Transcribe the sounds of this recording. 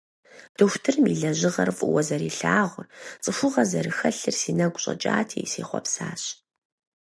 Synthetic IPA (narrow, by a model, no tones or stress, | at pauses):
d̥ɨxʷtʰɨrmiɮɐʑɪʁɐrfʼʊwɐzɐɾiːɬaːʁʷrt͡sʼɨxʷʊʁɐzɐɾɨxɐɬɨrsiːnɐɡʷʊɕʼɐ̰t͡ʃʼaːtʰiːsiːχʷɔ̰psaːɕ